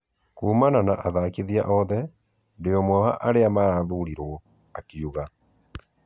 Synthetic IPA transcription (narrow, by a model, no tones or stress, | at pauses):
kuːmananaʔaðakiðiaʔɔðɛ | ndeɔmwɔha̰ʔaɾeamaɾaːðuɾiɾwɔ | akiuɣa